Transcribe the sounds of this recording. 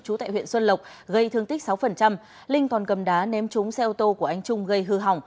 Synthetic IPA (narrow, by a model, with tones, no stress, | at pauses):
t͡ɕu˨˦t̪a̰ː˧˨hwḭ˧˨ənswə˧nlə˨˩wk͡p̚ɣə˧jt̪ʰɨ˧əŋt̪i˦˥k̚sa˨˦wfə˨˩nt͡ɕa˧m | lï˧ŋ̟kɔ˨˩nkə˨˩mɗaː˨˦nɛ˨˦mt͡ɕʊ˨˦ŋ͡msɛ˧ʔo˧t̪o˧ku˧˩əʔa˧jŋ̟t͡ɕʊ˧ŋ͡mɣə˧jɦɨ˧ɦa˨˩wŋ͡m